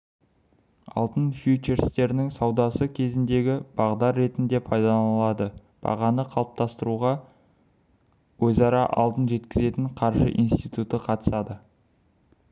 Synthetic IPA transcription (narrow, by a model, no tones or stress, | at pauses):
ɑ̰lˠt̪ənfjut͡ʃe̞ɾst̪e̞ɾɪnɪŋsɑwd̪ɑsəkʲʰe̞zɪnd̪e̞ɡʲɪb̥ɑʁd̪ɑɾːe̞t̪ɪnd̪e̞pʰɑjd̪ɑlˠɑd̪ə | b̥ɑ̰ʁɑnəqʰɑlˠəp̚t̪ɑst̪əɾuʁɑ | wɵzɑɾɑʔɑ̰lˠd̪ənʒe̞t̪kʲɪze̞t̪ɪɴqʰɑɾʒə̰ʔḭnst̪ijt̪ut̪əqʰɑt̪ə̥sɑd̪ə